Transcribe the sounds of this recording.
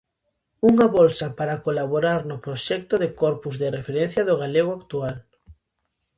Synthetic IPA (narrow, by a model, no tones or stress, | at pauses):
uŋaβɔlsapaɾakolaβoɾaɾnʊpɾoʃɛk̚t̪oðekɔɾpuzðɪrefeɾɛ̃n̟θjɐðoɣaleɣ̞oakt̪ual